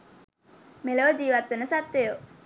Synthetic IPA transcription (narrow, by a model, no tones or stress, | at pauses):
meloːd͡ʒiːʋɐt̪ːunəsɐt̪ːeju